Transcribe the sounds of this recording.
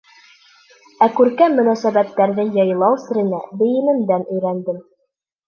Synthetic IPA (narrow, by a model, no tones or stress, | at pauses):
ækʉɾkæmmːɵ̆næsæbæt̪ːæɾðɘjɤjlˠɑwsɘ̆ɾɘ̆næb̪ɘ̆jɘ̆nɘ̆md̪ænɵ̆jɾænd̪ɘm